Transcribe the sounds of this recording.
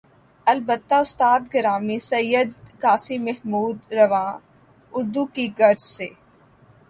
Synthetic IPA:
ɐlbət̪ːaʊst̪aːd̪ɡɐɾaːmisɐjːəd̪kaːsimɐɦmuːd̪ɾɐʋãː | ʊɾd̪ukiɡɐɾzseː

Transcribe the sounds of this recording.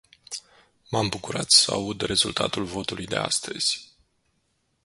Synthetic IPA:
mambukuɾat̪səa̰ud̪re̞zult̪a̰t̪ulvo̞t̪ulujd̪e̞̰a̰st̪əz̥ʲ

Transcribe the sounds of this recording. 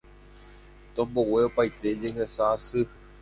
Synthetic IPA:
t̪õmbowe̞opajt̪e̞d͡ʒeɦesasɨ

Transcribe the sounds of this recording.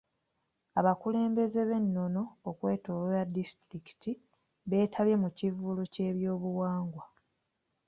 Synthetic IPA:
aβakule̞ːmbe̞ze̞βe̞nːo̞no̞ːkwe̞ːtololadistɾiki̥tʰi | βe̞ːtʰaβje̞mucivuloce̞ːβjo̞ːβuwaːŋɡwa

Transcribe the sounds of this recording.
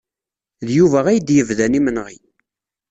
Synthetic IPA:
ðjuvæʁæjd̪jəvðænimənʁi

